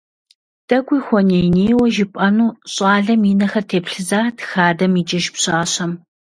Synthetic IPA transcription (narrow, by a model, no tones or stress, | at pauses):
d̥ɐɡʷiːxʷɔnejneːwɐʒɪpʼɐnuːɕʼaːɮɐmiːnɐxɐrtʰeːpɬɨzaːtxaːdɐmiːt͡ʃʼɐʒpɕʼaːɕɐm